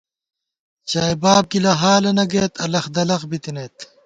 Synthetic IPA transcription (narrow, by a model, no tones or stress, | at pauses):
t͡ɕaːjbaːb̚ɡilɐɦaːlɐnɐɡeːt̪ʰɐlɐxd̪ɐlɐqbit̪ineːt̪